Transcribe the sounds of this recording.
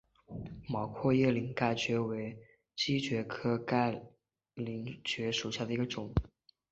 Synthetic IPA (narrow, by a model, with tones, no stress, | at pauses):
mɑ˨˩ʊkʰwɔ˥˧jɛ˥˩li˧˥ŋka˥˩ɪt͡ɕɥɛ˧˥we˧˥ɪ | t͡ɕi˥t͡ɕɥɛ˧˥kʰɤ˥ka˥˩ɪ | li˧˥ŋt͡ɕɥɛ˧˥ʂu˨˩ɕja˥˩d̪ə˩i˧˥ɡə˧ʈ͡ʂʊ˨˩˦ŋ